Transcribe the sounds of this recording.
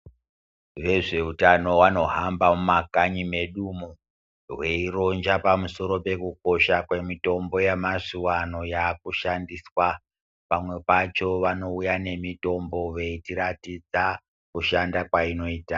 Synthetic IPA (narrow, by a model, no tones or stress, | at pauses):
ʋe̞ʐe̞utano̞wano̞ɦambamumakaɲime̞ɗumu | ɦwe̞iɾo̞nd͡ʒapamuso̞ɾo̞pe̞kuk̚o̞ʃakwe̞mito̞mbo̞jemaʂuwano̞jaːkuʃandiswa | pamwe̞pat͡ʃo̞ʋano̞ujane̞mito̞mbo̞ʋe̞itiɾatid͡za | kuʃandakwaino̞iːta